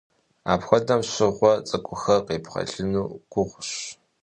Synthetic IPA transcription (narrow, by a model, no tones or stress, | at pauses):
aːpxʷɔdɐmɕɪʁʷɔt͡sʼɐkʷʼʊxɐqeːpχɐ̰ɮɨnuːɡ̥ʷʊʁʷʊɕ